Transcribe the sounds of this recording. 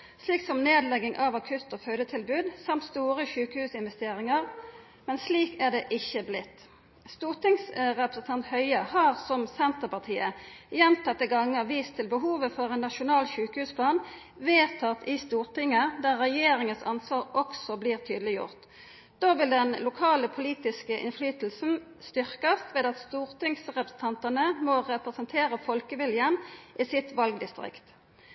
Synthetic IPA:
sliːksɔmneːd̪lɛɡɪŋʔɑʋɑkʰʉt̪ːoːfœʏd̪ət̪ʰɪlbʉːd̪sɑmt̪st̪uːʁəçʉːkəhʉːsɪnʋɛst̪eːɾɪŋəʁ | mɛnsliːkæʁɖ̪eːʔɪçːəblɪt̪ː | st̪uːʁt̪ɪŋsʁɛpɾəsnt̪ʰɑnt̪hœʏəhɑːʁsɔmsɛnt̪əʁpɑʁt̪ʰiːəjɛnt̪ʰɑt̪ːəɡɑŋːəʁʋiːst̪ʰːɪlbəɦuːʋəfɔʁɛːnːɑʃʊnɑːlçʉːkəhʉːspʰlɑːn | ʋeːʁt̪ʰɑt̪ɪst̪uːʁt̪ɪŋːəd̪æʁʁɛjeːʁɪŋəsɑnsʋɑːʁɔksɔbliːʁt̪ʰyːd̪əlɪjʊ̰ʁt̪ | d̪oːʋɪld̪ɛnlʊkʰɑːləpʰʊliːt̪ɪskəʔɪ̰nflyːt̪l̩sn̩ | st̪ʏʁkɑsʋeːd̪ɑt̪st̪uːʁt̪ɪŋsʁɛpʁəsn̩t̪ʰɑnt̪ɑnəmɔʁɛpʁɛsənt̪ʰeːʁəfɔlkəʋɪljənʔiːsɪt̪ʋɑlɡd̪ɪst̪ʁɪ̰kt̪

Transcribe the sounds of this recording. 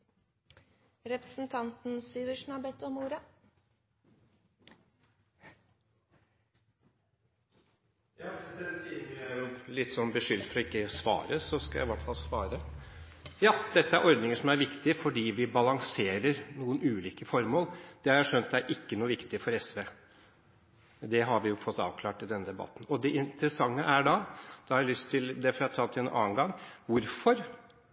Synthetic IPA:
ɾɛpɾəsn̩t̪ʰɑnt̪n̩syːʋəʂɳɑbɛt̪ːɔmuːɾɑ | jɑːɪsɛsiːmææɾjʊlɪt̪ːsɔnbəʂʏlt̪fɔɾɔɪkːəsʋɑ̰ːɾəsɔskɑjæ̰ɪʋæʈːfɑlsʋɑ̰ːɾə | jɑːd̪̥ɛt̪ːəæɾʔɔɾd̪nɪŋəʂɔmæɾʋɪkt̪ɪfɔɖiːʋɪbɑlɑŋseːɾəɾnuːənʉːliːkəfɔɾmoːld̪̥ɛhɑɾæʂœnt̪d̪ɛæɾʔɪkːənuːʋɪkt̪ɪfɔɾɛsʋeː | d̪ɛɦɑɾʋɪjʊfɔt̪ːɑ̰ːʋkʰlɑːʈɪld̪ɛnːəd̪ɛbɑ̰t̪ːn̩ɔd̪ɛʔɪnt̪əɾəsɑŋːəʔæɖɑd̪̥ɑhɑɾælʏst̪ʰːɪld̪ɛfɾɑt̪ʰɑːlt̪ʰːɪɛnʔɑ̰ːənɡɑŋːʋʊɾfɔɾ

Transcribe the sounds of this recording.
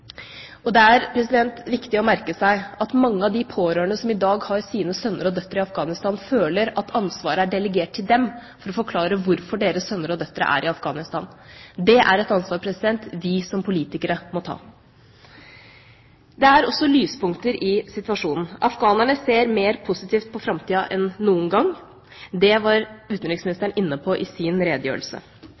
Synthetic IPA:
ɔd̪ɛæɾpʰɾɛsɪd̪ɛnt̪ʋɪkt̪ɪɔmæɾkəsæɪɑt̪mɑŋːəɑʋd̪ɪpʰoːɾøːɳəsɔmɪd̪ɑːɡhɑɾsiːnəsœnːəɾɔd̪œt̪ːəɾɪɑfɡɑːnɪst̪ɑːnføːləɾɑt̪ɑnsʋɑːɾəæɖɛləɡeːʈ̚t̪ʰːɪld̪ɛmfɔɾɔfɔɾkʰlɑːɾəʋʊɾfɔɖeːɾəsœnːəɾɔd̪œt̪ːəɾə̰ʔæ̰ːɾʔɪɑfɡɑːnɪst̪ɑ̰ːnd̪ɛʔæɾɛt̪ɑnsʋɑːɾpʰɾɛsɪd̪ɛnt̪ʋɪsɔmpʰʊliːt̪ɪkəɾəmɔt̪ʰɑ̰ː | d̪ɛæɾɔsːɔlyːspʊŋkt̪əɾʔɪsɪt̪ʋɑʂuːnn̩ʔɑfɡɑːnæɳəseːɾmeːɾpʰʊsɪt̪ʰiːft̪̚pʰɔfɾɑmt̪iːɑʔɛnːuːənɡɑŋː | d̪ɛʋɑɾʉːt̪nɾɪɡsmɪnɪst̪əɳɪnːəpʰɔʔɪsɪnɾeːd̪əjø̰ːɭ̩sə̰

